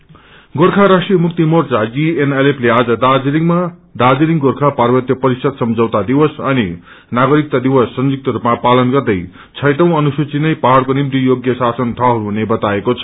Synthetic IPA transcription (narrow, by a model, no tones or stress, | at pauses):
ɡorkʰaɾasʈrijʌmuk̚t̪imort͡sad͡zienelepʰlead͡zʌd̪ad͡zɾiŋmad̪ad͡ziɾiŋɡorkʰaparbʌt̪jʌpʌɾisʌd̪sʌmd͡zʌwt̪ad̪iwʌsʌni | naɡʌɾik̚t̪ad̪iwʌsːʌnd͡zuk̚t̪ʌɾupmapalʌnɡʌrd̪ʌj | t͡sʰʌjʈʌ̃w̃ʌnusut͡sinʌjpaɦaɽkonimt̪ijoɡjʌsasʌnt̪ʰaɦuɾuɦunebʌt̪aekot͡sʰʌ̥